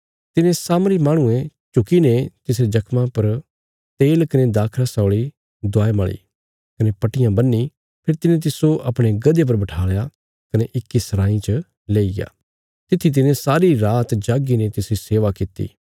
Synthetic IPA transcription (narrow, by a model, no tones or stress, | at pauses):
t̪ɪnẽsaːmɾimaːɽ̃ʊ̃ẽt͡ʃʊkinet̪ɪsɾed͡ʒɐkʰmãpɐɾ | t̪eːlkɐned̪aːkʰɾasɔːɭi | d̪aːeməɭḭ | kɐnepɐʈɪjãbɐnːi | pʰɪɾt̪ɪnẽt̪̬ɪsoʔɐpɽ̃eɡɐd̪ep̬ɐɾbɐʈʰaːɭeja | kɐneʔɪkːisɐɾãːĩt͡ʃə | leːiɡa̰ː | t̪ɪt̪ʰːit̪̬ɪnẽsaːɾiɾaːt̪d͡ʒaːɡinet̪ɪsɾiseːʋakɪt̪ːḭː